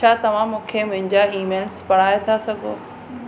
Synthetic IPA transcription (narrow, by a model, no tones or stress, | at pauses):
t͡ɕʰaːt̪ɐʋ̤ãmʊ̃ːkʰemʊ̃ɦɪ̃ɲd͡ʑaiːmeːlspɐɽ̤aːet̪ʰasɐɡʱo̰ː